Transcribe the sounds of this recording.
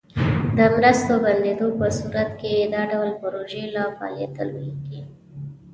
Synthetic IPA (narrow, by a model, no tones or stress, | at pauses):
d̪əmɾəst̪oband̪ed̪opəsuɾat̪kejed̪ɑɖawlpəɾoʒelɑpɑ̰lḛt̪ə̰lwɡi